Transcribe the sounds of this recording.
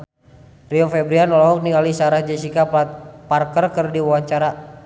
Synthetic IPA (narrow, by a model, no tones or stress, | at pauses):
riɔfɛbɾianɔlɔɦɔk̚niŋalisaɾahd͡ʒɛsikaparkərkərdiwawaɲt͡ʃaɾa